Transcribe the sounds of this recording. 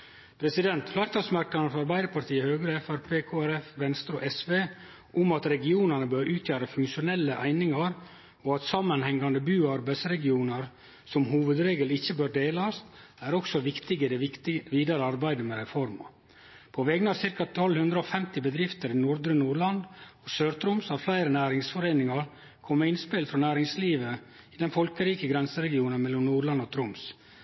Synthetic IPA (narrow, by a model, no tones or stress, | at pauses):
pʰɾɛsɪd̪ɛnt̪flɑɾt̪ɑsmæɾkɑnəfɾɑɾbæɪd̪əɾpɑɾʈt̪ʰiːəhøːɡɾəɛfæɾpʰeːkʰoːæɾɛfʋɛnst̪ɾʉʔɛsʋeː | ʔʊmɑt̪ɾɛɡɪuːnəɳəbøːɾʉːt̪ʰjøːɾəfʉŋkʃʊnɛlːəʔæ̰ɪnɪŋɑɾ | ɔɑt̪sɑmːənhɛŋːɑnd̪əbʉːɑɾbæɪd̪sɾɛɡɪuːnəɾ | sɔmɦuːʋəd̪ɾeːɡəlɪçːəbøːɾɖ̪eːlɑst̪æɾɔksɔʋɪkt̪ɪɡəd̪ɛʋiːd̪ɑɾəɑɾbæɪd̪əmɛɾɛfɔɾmɑ̰ | pʰɔʋɛɡənəɑɾsɪɾkɑt̪ʰɔlhʉnd̪ɾəɔfɛmt̪ɪbəd̪ɾɪft̪əɾɪnuɾd̪ɾənuːɾɭɑnd̪ɔsøːɾt̪ʰɾʊmshɑɾflæɪɾənæːɾɪŋsfɔɾeːnɪŋɑɾ | kʰɔmːəɾɪnspɪlfɾɔnæːɾɪŋsliːʋə | ɪd̪ɛnfɔlkəɾiːkəɡɾɛnsəɾɛɡɪuːnənmɛlːɔmnuːɾɭɑnːɔt̪ʰɾʊms